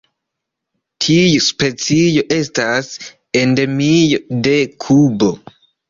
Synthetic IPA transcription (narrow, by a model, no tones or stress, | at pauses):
tʰijuspe̞t͡sijo̞ʔe̞stas | ende̞mijode̞kʰubo̞